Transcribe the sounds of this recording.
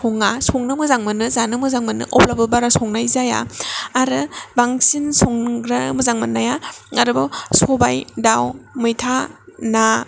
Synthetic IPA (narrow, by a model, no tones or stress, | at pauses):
soŋasoŋnɯmɯzaŋmɯnɯzanɯmɯzaŋmɯnɯ̰ʔɔp̚labɯbaɾasɔŋnajzaja̰ːɾɯbaŋsinsoŋɾamɯzaŋmɯnːajaaɾɯbasɔbajdawmɯjtʰana